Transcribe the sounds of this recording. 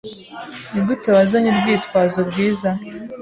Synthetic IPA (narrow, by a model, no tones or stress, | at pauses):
niɡutowazaɲiɾɡwiːtwaːzoɾɡwiːza